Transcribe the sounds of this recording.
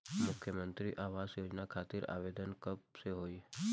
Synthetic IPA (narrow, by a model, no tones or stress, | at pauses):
mʊkʰjəmə̃nt̪ɾiʔaːʋaːzjoːd͡ʒnakʰaːt̪ɪɾa̰ːʋeːd̪ənkəb̚seɦoːi